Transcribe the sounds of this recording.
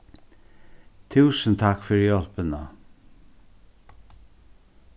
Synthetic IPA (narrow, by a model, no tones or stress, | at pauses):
t̪ʰʉːsənt̪ʰakfʏɹjɔl̥pənə